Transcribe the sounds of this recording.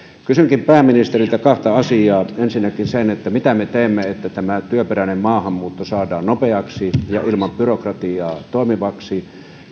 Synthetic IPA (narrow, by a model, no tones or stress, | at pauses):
kysyŋkimpæːmːinist̪erilt̪ækɑht̪ɑɑsiɑːensinːækinsenet̪ːæmit̪æmet̪eˑːmːeet̪ːæt̪æmæt̪yøperænemmɑːhɑmːuːt̪ːosɑːdɑːnnopeɑksijɑilmɑmpyrokrɑt̪iɑːt̪oˑemiʋɑksi